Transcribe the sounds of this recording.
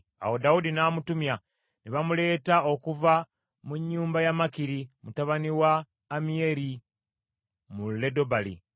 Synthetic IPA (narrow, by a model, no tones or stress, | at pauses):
a̰wo̞daudinaːmutumja | niβamule̞ːtao̞kuva | muɲːuːmbajamakiɾimutaβaniwaː | mie̞ɾi | mulːe̞do̞balḭ